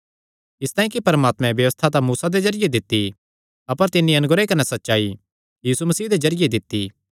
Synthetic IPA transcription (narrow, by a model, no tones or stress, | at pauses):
ɪst̪aːĩkipɐɾmaːt̪mɛ̃bjɐʋəst̪ʰat̪ãmuːsad̪ed͡ʒɐɾɪjed̪ɪt̪ːi | ɐpəɾt̪ɪnːiɐnʊɡɾekɐnɛsɐtːʃaːi | jiːsumɐsiːd̪ed͡ʒɐɾɪjed̪ɪt̪ːi